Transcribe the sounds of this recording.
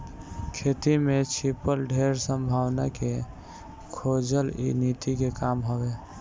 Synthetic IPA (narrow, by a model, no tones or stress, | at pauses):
kʰet̪imet͡ʃʰipəlɖʱeɾsəmbʱaːwnake | kʰod͡ʒəlḭnit̪ikekamɦəbe